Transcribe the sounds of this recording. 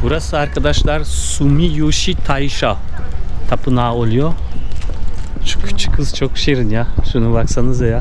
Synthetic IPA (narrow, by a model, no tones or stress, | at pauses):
buɾasɯaɾkʰad̪aʃlˠaɾsumijuʃit̪ʰajʃa | t̪ʰapʰɯnaːolˠujo | t͡ʃʰy̥t͡ʃʰɯ̥kʰɯzt͡ʃʰok̚bi̥ʃejɾinjaʃunubaksanɯzaja